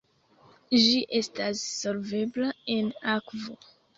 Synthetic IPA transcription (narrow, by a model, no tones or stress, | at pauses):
d͡ʒiʔe̞stasːolve̞blae̞nakvo